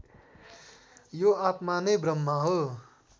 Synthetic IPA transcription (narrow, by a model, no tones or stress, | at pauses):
joat̪manʌjbrʌmːaɦo